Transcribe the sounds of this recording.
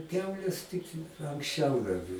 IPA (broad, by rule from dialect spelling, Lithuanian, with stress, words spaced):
ˈkʲɛʊlʲeːs tʲɪk ɐŋksʲˈt͡ʃʲɛʊ dɐr